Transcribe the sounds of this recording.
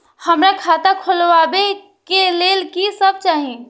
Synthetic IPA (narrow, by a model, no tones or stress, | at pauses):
həmɾakʰaːt̪akʰʊlʋabe | keleːlkisəb̚t͡ʃaːɦĩ